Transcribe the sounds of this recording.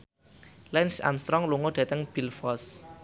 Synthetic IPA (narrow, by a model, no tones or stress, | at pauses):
lɛnsa̰mst̪ɾɔŋluŋoɖ̥̪a̤t̪əŋb̥i̤lfɔs